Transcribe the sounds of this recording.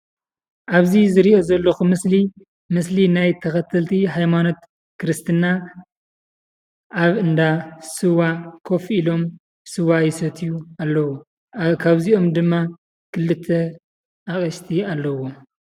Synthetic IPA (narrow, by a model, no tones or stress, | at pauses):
ʔaβzizɨɾiʔo̞zɐlːɐxumɨsli | mɨslinajt̪ʰɐxɐt̪ʰːɐlt̪ʰiɦajmano̞t̪ | kʰɨɾɨst̪ʰɨnːa | ʔaβɨnd̪asɨwakʰo̞filo̞m | sɨwajɪsɐt̪ʰijualːɐwo | kʰaβzio̞md̪ɨmːa | kʰɨlːɨt̪ʰːɐ | ʔakʼɐʃt̪ʰialːɐwo̞